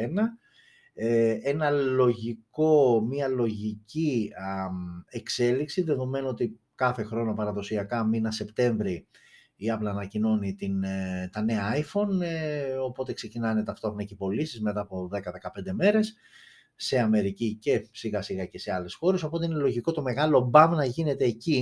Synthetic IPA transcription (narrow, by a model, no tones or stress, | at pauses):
enɐ | ee̞nɐlo̞ʝiko̞miɐlo̞ʝici | ekse̞liksiðe̞ðo̞me̞noot̪i | kɐθe̞xɾo̞no̞pɐɾɐðo̞siɐkɐminɐse̞pt̪e̞ɱvɾi | iɐplɐːnɐcino̞nit̪int̪ɐne̞ɐaifo̞n | o̞po̞t̪e̞kse̞cinɐnet̪ɐft̪o̞xonɐcipo̞lisizmet̪ɐːpo̞ðe̞kɐðe̞kɐpe̞nd̪e̞me̞ɾe̞sː | e̞ɐme̞ɾicice̞siɣɐsiɣɐce̞se̞ɐle̞sxo̞ɾe̞so̞po̞t̪e̞ine̞lo̞ʝiko̞t̪o̞me̞ɣɐlo̞bɐmnɐʝine̞t̪e̞ːci